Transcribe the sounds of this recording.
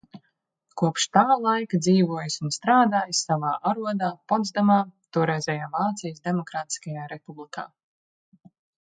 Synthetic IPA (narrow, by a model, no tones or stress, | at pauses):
kuɔpʃt̪aːlˠajkd̪ziːvuɔjsunst̪ɾaːd̪aːjsːavaːʔaɾuɔd̪aːpɔd̪zd̪amaːt̪uɔɾɛjzʲɛːjaːvaːt̪sijəsd̪emɔkɾaːt̪i̥skajaːɾepublikʰa̰ː